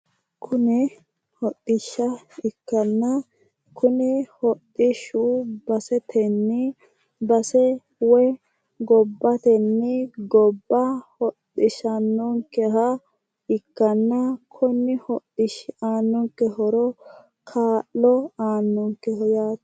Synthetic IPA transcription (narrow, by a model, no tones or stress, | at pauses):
kʰʊnɛ | hɔɗːɪʃːɐɪkːɐnːɐ | kʰʊnɛhɔɗɪʃubɐsɛt̪ʰɛnːɪ | bɐsɛ | wɔ | ɡɔbːɐt̪ɛnːɪɡɔbːɐhɔɗɪʃɐnːɔŋkːɛɦɐ | ɪkːɐnːɐkʰɔnːɪhɔɗɪʃaːnːɔŋkːɛhɔɾɔ | kʰaːʔɔaːnːɔŋkːɛhɔjaːt̪